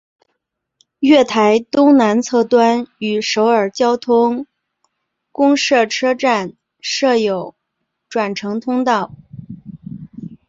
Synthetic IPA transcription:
ɥɛ˥˩t̪ʰa˧˥ɪt̪ʊ˥ŋna˧˥nt͡sʰɤ˥˩t̪wa˥ny˨˩ʂo˧˥ʊə˞˨˩t͡ɕjɑ˥ʊt̪ʰʊ˥ŋ | kʊ˥ŋʂɤ˥˩ʈ͡ʂʰɤ˥ʈ͡ʂa˥˧n | ʂɤ˥˩jo˨˩ʊ | ʈ͡ʂwa˨˩nʈ͡ʂʰɤ˧˥ŋt̪ʰʊ˥ŋt̪ɑ˥˩ʊ

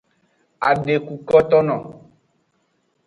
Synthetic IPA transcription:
a̰˨ɖe˨ku˨kɔ˦t̪ɔ˦nɔ̰̃˨

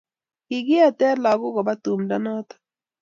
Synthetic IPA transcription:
i˨ɡi˦a˨tɛ˦la˨ɡʊ˦ɡɔ˨ba˦tu˨mda˦nɔ˦t̪ḁ˦

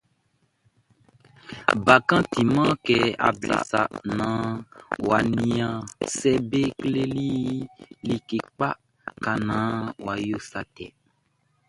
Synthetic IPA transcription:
ba˨kã˦ti˨mã˦kɛ˦a̰˨bla̰˨sa̰˨nã˨˦wa˨nĩ˨˦ã˨sɛ˦be˦kle˦li˦ | li˦ke˨k͡pa̰˦ | ka˨nã˨˦wa˨jo˦sa˨tɛ̰˨

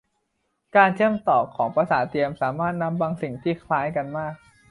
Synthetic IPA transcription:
kaː˧nt͡ɕʰɯ˥˩əmt̪ɔː˨˩kʰɔː˩˦ŋpɾa˧saː˩˦t̪i˧əmsaː˩˦maː˥˩t̪̚na˦˥mbaː˧ŋsi˨˩ŋt̪ʰiː˥˩kʰlaː˦˥jka˧nmaː˥˩k̚

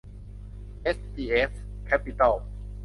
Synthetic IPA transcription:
ʔe˦˥siː˧ʔe˦˥f | kʰɛ˦˥pi˧t̪a˥˩l

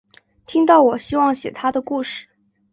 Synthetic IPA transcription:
t̪ʰi˥ŋt̪ɑ˥˩ʊwɔ˨˩ɕi˥wɑ˥˩ŋɕjɛ̰˨˩t̪ʰa˥d̪ə˨ku˥˧ʂɻ̩˥˩

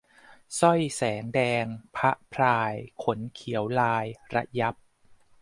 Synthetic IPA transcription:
sɔ˥˩jsɛː˩˦ŋdɛː˧ŋpʰa˦˥ʔpʰɾaː˧jkʰo˩˦nkʰi˩˦əwlaː˧jɾa˧ʔja˦˥p̚

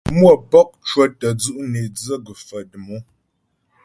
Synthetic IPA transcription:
mwə˦˨pɔ˦k̚t͡ʃwə˦tə˨d͡zu˦ʔne˨d͡zə˦ɡə˨fə˨də˨mo˦

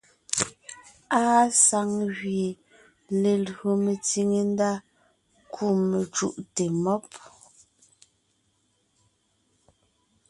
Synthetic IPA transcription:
aː˦sa˨˦ŋɣɥje˨ | le˨lɰo˨me˨ti˦˨ŋe˨n˦da˦ | kʰu˦˨me˨t͡ʃṵ˦˨ʔte˨mɔ˦p̚

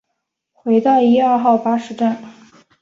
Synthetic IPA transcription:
xwe˧˥ɪt̪ɑ˥˩ʊi˥a˞˥˧xɑ˥˩ʊpa˥ʂɻ̩˧˥ʈ͡ʂa˥˩n

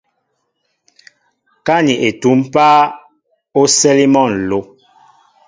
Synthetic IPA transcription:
ka˦ni˨ʔe˨tu˨˦m˦paː˦ | o˦sɛ˦li˦mɔ˦˨n˨lo˨˦

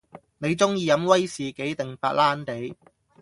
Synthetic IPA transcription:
ne˨˧jt͡sʊ˥ŋjiː˨˧jɐ˨˧˥mwɐ˥jsiː˨ke˨˥jt̪ɪ˨˩ŋfaː˧t̚laː˥nt̪e˨˥j

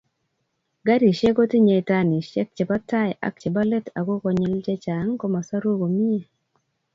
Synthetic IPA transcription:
ɡa˦ɾi˨ʃe˦ɡo˦ti˦ɲe˨i˨ta˦ni˨ʃɛ˦k̚t͡ʃe˨ba˦ta˦jʔa̰˨k̚t͡ʃe˨ba˦lɛ˦ta˨ɡo˦kɔ˨ɲi˦ld͡ʒe˦t͡ʃa˨˦ŋkɔ˦ma˨sa˦ɾo˦ɡo˨mi˦e˨

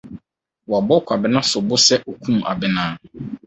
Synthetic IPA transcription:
wɔ˨a˨bɔ˦kʷʰa˨bɪ˦nã˦sʊ˨bʊ˦sɛ˦ʔo˨kʰũ˦m̃˨ʔa̰˨bɪ˦nãː˦

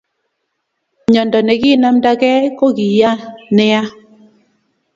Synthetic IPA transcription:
ɲɔ˨ndɔ˨nɛ˨ɡɪ˦na˦mda˦kɛ˦kɔ˦ɡi˨ja˦nɪ˦a˦

